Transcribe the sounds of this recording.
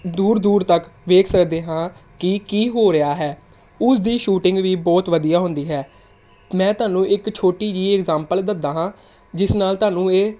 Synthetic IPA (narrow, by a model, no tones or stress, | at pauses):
d̪uːɾd̪uːɾt̪əkʋeːkʰsəkd̪eːɦãːkɪkiːɦoːɾɪaːɦɛː | ʊsd̪iːʃuːʈɪ̃ŋɡʋiːbɔːt̪ʋəd̪ijaːɦʊnd̪iːɦɛː | mɛ̃ːt̪ʊaːnũːʔɪkt͡ʃʰoːʈiːd͡ʒiːɪkzãːmpəld̪əd̪aːɦãː | d͡ʒɪsnaːlt̪ʊaːnũːeː